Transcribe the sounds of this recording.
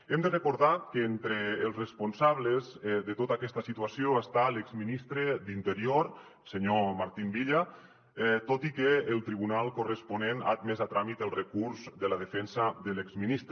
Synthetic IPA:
emd̪ərəkuɾðakent̪ɾeːlˠsresponsaβlezðət̪ot̪akɛst̪asit̪uasioəst̪aleɡzminist̪ɾed̪int̪əɾioɾ | seɲomaɾt̪imbiʎa | t̪ot̪ikeːlˠt̪ɾiβunalˠkurəsponena̰t̪̚mɛzat̪ɾamit̪əlˠrəkuɾzd̪əlaðəfɛnsad̪əlekzminist̪ɾ

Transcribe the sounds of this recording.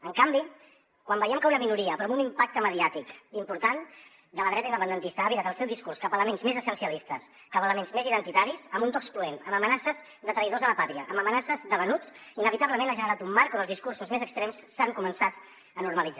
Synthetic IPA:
əŋkambi | kwambəjɛmkəunəminuɾiəpɾɔmunimpak̚t̪əməðiat̪ikimpuɾt̪an | d̪ələðɾɛt̪ind̪əpənd̪ənt̪ist̪əːβit̪at̪əlˠsɛwðiskurskapələmenzmezəsənsiəlist̪əs | kapələmenzmeziðənt̪it̪aɾisəmbunt̪ɔkspluenəməmənasəz | d̪ət̪ɾəiðozələpat̪ɾiəʔːməmənasəzðəβənut͡sinəβit̪aβləmenaʒənəɾat̪umːaɾkoəlˠzðiskursuzmezəkst̪ɾɛmssaŋkumənsat̪ | ənuɾməlid͡za

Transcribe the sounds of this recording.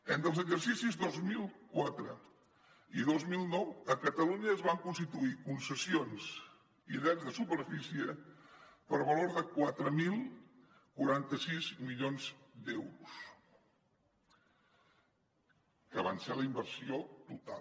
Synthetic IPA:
ent̪əlˠzəɡʒərsisizðozmilˠkwat̪ɾə | iðozmilˠnɔwəkət̪əluɲəːzβaŋkunst̪it̪uikunsəsions | iðɛzðəsupəɾfisiə | pəɾβəloɾðəkwat̪ɾəmilˠ | kuɾant̪əsizmiʎonzd̪ɛwɾus | kəβ̞anseləimbərsiot̪ut̪a̰

